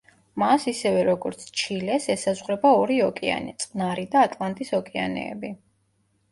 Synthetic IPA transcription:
masisɛvɛɾɔɡɔɾt̪sʰt͡ʃʰilɛsɛsazʁɾɛbaɔɾiɔkʼɛa̰nɛ̰t̪sʼnaɾid̪aːt̪ʼlˠant̪ʼisɔkʼɛa̰nɛ̰ːbi

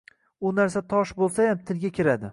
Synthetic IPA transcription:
ʊnaɾs̬at̪ʰɒʃbolˠsajamt̪ʰɪlɡʲakʲʰɪɾad̪ɪ

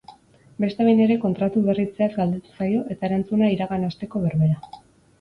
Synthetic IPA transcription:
be̞st̪aβejne̞ɾe̞ko̞nt̪ɾat̪uβe̞rit͡seazɡald̪e̞t̪u̥sajo̞ʔe̞t̪aeɾant͡sunaiɾaɣanast̪e̞ko̞βeɾβe̞ɾa

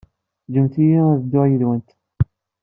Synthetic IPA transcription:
d͡ʒəmθijiðəd̪ːʊʁjəðwənt̪

